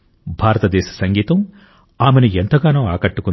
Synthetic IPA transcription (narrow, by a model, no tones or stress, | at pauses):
bʱaːɾɐt̪ɐd̪ɛːʃɐ̥sɐŋɡiːt̪ɐm | aːmenuent̪ɐɡaːnoːaːkɐʈːukun